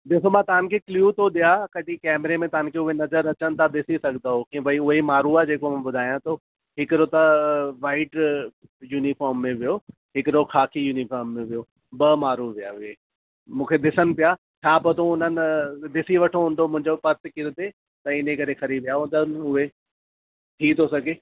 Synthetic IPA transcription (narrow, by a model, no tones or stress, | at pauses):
d̪ɪsomãt̪ɐʋ̤ə̃nɪkʰekljuːt̪ʰoɗ̪ijakɐɗikɛːmɾemẽt̪ɐɦə̃nkʰeʊɦenɐzəɾɐt͡ɕənɪ̆t̪ʰad̪ɪsisɐɡʱnd̪aɦokĩbɐiʊɦemaːɾuaːd͡ʑeːkomãbʊd̪ʱaːjãt̪ʰo | ɦɪkɪɾot̪ɐʋaːɪʈ | juːnifɔːɾmːẽʋijo | ɦɪkɪɾokʰaːkʰijuːnifɔːɾmːẽʋijo | bɐmaːɾuʋijaʋɪe | mũːkʰed̪ɪsən̆pɪja | t͡ɕʰaːpot̪ʰõʊnənɪ̆d̪ɪsiʋɐʈʰoɦũːnd̪omʊ̃ɦɪ̃ɲd͡ʑopɐɾt̪ɪkɪɾt̪e | t̪ɐɪnẽkɐɾekʰɐɾiʋijaɦũːn̆d̪ənɪ̆ʊɦe | t̪ʰit̪ʰosɐɡʱeː